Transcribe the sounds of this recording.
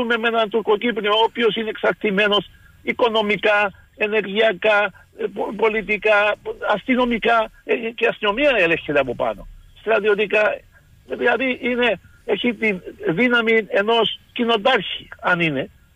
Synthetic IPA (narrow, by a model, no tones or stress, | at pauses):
umemenant̪ukokipnioopiosineksak̚t̪imenos | ikonomika | eneɾɣiaka | ppolit̪̬ikaast̪inomikakeasomiaelexeleap̬opa̰no̰st̪ɾat̪jot̪̬ika | ðaðiʔine | exit̪iðinamienoskinot̪̬aɾxiaanine